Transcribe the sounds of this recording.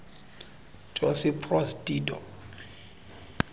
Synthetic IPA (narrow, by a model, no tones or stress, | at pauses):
t͡ʃʼɔsipʰrɔsdʼiːdɔ̰